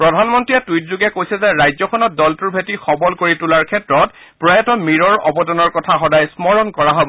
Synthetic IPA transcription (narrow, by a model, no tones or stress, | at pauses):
pɹɔdʱanmɔntɹiɛtuitzuɡɛkojsɛzɛɹajzɔkʰɔnɔt̚dɔltuɹbʱetixɔbɔlkoɹitulaɹkʰɛtɹɔt | pɹɔjɔtɔmiɹɔɹɔbɔdɔnɔɹkɔtʰaxɔdajsmɔɹɔnkɔɹaɦɔbɔ